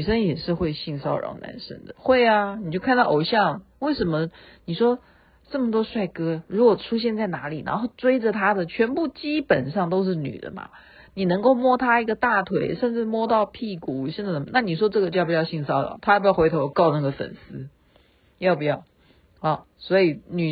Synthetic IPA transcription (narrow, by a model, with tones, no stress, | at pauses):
i˨˩ʂə˥njɛ˨˩ʂɻ̩˥˧xwe˥˧ɪɕi˥˩ŋsɑ˥ʊɻɑ̰˧˥ŋna̰˧˥nʂə̰˥ŋd̪ə˨xwe˥˩ɪa˩ni˨˩t͡ɕjo˥ʊkʰa˥˧nd̪ɑ˥˩ʔo˨˩ʊɕjɑ˥˧ŋwe˥˩ɪʂə˧˥nmə˧ | ni˨˩ʂwɔ˥ | ʈ͡ʂɤ˥˩mə˩t̪̬wɔ˥ʂwa˥˩ɪkɤ˥ɻu˧˥kwɔ˨˩ʈ͡ʂʰu˥ɕ̬jɛ˥˧nt͡sa˥˩ɪna˧˥li˨˩na̰˧˥nxo˥˧ʊʈ͡ʂwe˥ɪʈ͡ʂə˨t̪ʰa˥d̪ə˨t͡ɕʰɥɛ˧˥npu˥˩t͡ɕi˥pə˨˩nʂɑ˥˩ŋt̪o˥ʊʂ̬ɻ̩˥˩ny̰˨˩d̪ə̰˦mɐ̰˩ | ni˨˩nɤ˧˥ŋko˥˧ʊmwɔ˥˧t̪ʰa˥i˧˥ɡə˧t̪a˥˩t̪ʰwe˧˥˦ɪʂə˥˧nʈ͡ʂɻ̩˥˩mwɔ˥t̪ɑ˥˧ʊpʰi˥˩ku˨˩ɕə˥˧nd̪a˥˩n˧˥˧na˥˩ni˨˩ʂ̬wɔ˥ʈ͡ʂɤ˥˩ɡə˩t͡ɕo˥˩pi˨˩jɑ˥˧ʊɕi˥˩ŋsɑ˥˩ʊɻɑ̰˨˦t̪ʰa˥a˥˩pjɑ˥˩xwe˧˥ɪt̪ʰo˧˥ʊkɑ˥˧ʊna˥˩ɡə˩fə̰˨˩nsɹ̩˥ | jɑ˥˩ʊpu˧˥jɑ˥˩ʊ | ɔ˧˩ | swɔ˧˥i˨˩ny˨˩